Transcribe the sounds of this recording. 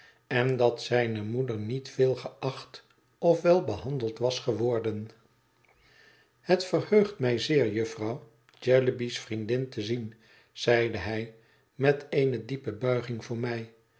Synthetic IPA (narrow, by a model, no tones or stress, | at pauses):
ɛndɑtsɛjnəmudəɹnitfɪːlˠχəʔɑχt | ɔfʋɛlˠbəhɑndəlˠtʋɑsχəʋɔɹdən | hətfərhøɥχtmɛjzɪːɹjɵfrɑw | d͡ʒɛləbisfrindɪntəzin | z̥ɛjdəɦɛj | mɛtejnədipəbœɥχɪŋvʊːɹmɛj